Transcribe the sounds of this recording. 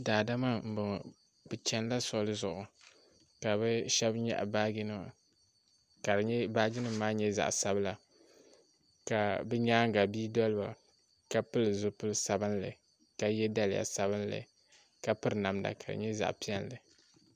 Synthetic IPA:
daː˨da˦ma˦m̩˨bʊ˨ŋ˨ | bɨ˨t͡ʃɛ˦n˦la˦sʊ˦˨˦lɨ˦zʊ˨ʔʊ˨ | ka˨bɨ˦ʃɛ˦bɲɛ̰˦ʔbaː˦ɡɪ˦nɨ˦m˨ | ka˨ɾɨ˨ɲɛ˦baː˦ɡɪ˦nɨ˦mː˦aː˦ɲɛ˦za̰˨ʔsa˦bɨ˦la˨ | ka˨bɨ˦ɲaː˦ŋ˦ɡa˨biː˦dɔ˦lɨ˦ba˨ | ka˨pɨ˦lɨ˨zʊ˨pɨ˦lɨ˦sa˨bɨ˦n˦lɨ̰˨ | ka˨jɛ˦da˦lɪ˨ja̰˨sa˦βɨ˦n˦lɨ̰˨ | ka˨pɨ˦ɾɨ˨na˨mda̰˨ka˨dɨ̰˨ɲɛ˦za̰˨ʔpi˦ɛ˦nlɨ˨

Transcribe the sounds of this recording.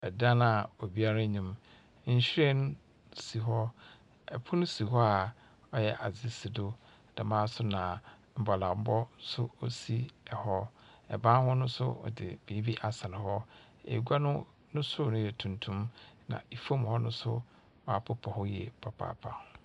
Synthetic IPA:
ɛ˨dã˦na˨o˨bi˦a˦ɾa˦ɲĩ˨m | ɲ̩˦ɕᶣe˦ñ˦ | si˨ɦɔ˦ | ɛ˨pʰʊ˦nʊ̃˦si˨ɦɔ˦a˨ | ɔ˦jɛ˨ʔa˨zɪ˦sɪ˨dʊ˦ | d̥a˨mãː˦sʊ˦nã˨ | m̩˨bɔ˨lã˨m̩˦bɔ˦sʊ˦ɔ̰˦si˦ɛ˨hɔ˦ɛ̰˨bãː˦hɔ˦nʊ̃˦sʊ̰˦ɔ̰˨dɪ̰˨b̥eː˨˦bi˦ʔa˨sa˨nɪ̃˨hɔ˦ | ḛ˨ɡʷa˦nʊ̃˦ | nʊ̃˦sʊ˦nʊ̃˦jɛ˨tʰũ˨ntʰũ˦mnã̰˨i˨fo˦mhɔ˦nʊ̃˦sʊ̰˦ | mã˨pʰʊ˦pʰɔ˨hɔ˦jɛ̰˨pʰa˨pʰa̰ː˨pʰa̰˨

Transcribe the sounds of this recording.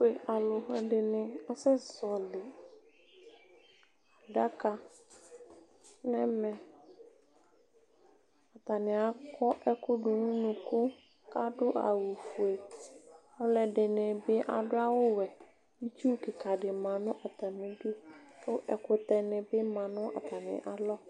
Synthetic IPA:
e˨ʔa˨lʊ˨ɦɛ˨dɪ˨nɪ̃˨ɔ˦sɛ˦˨sɔ˨lɪ˨ | a˨da˦ka˨ | nɛ̃˦mɛ̃˨ | a˨t̪a˨nɪ̃˨a˨kʰɔ˦ʔɛ˦kʰʊ˦dʊ˨nʊ̃˦nʊ̃˨kʰʊ˦ | ka˦dʊ˦ʔa̰˨wu˨fu˨e˨ | ʊ˦lɛ˨dɪ˨nɪ̃˨bɪ˦ʔa̰˨dʊ˦a˦wʊ˦wɛ˨ | i˦t͡ʃu˦kɪ˨kʰa˨dɪ˨mã˨nʊ̃˦ʔa˨t̪a˨mɪ̃˨du˦kʊ˦ʔɛ˨kʊ˨t̪ɛ˨nɪ̃˨bɪ˦mã˨nʊ̃˦a̰˨t̪ʰa˨nɪ̰̃˨ʔa˨lɔ˦

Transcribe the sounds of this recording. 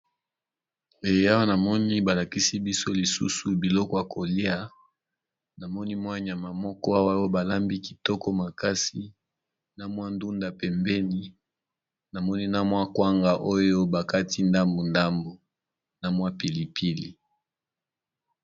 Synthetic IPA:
e˨˦a˦wa˦na˨mɔ˦ni˦ba˨la˨ki˦si˦bi˦so˦li˨sṵ˦su˨bi˨lɔ˦kɔ˦ja˨ko˨li˦a˦ | na˨mɔ˦ni˦mwa˦ɲ˨a˨ma˨mɔ˦kɔ˦a˦wa˦jo˦ba˨la˦mbi˦ki̥˨tɔ˦kɔ˦ma˨ka˦si˦ | na˨mwa˦ndu˦nda˨pɛ˨mbɛ˦ni˦ | na˨mɔ˦ni˦na˦mwa˦kwa˦ŋɡa˨ʔo˦jo˦ba˨ka˦ti˦nda˦mbo˨nda˦mbo˨ | na˨mwa˦pi˨li˨pʰi˦lḭ˨

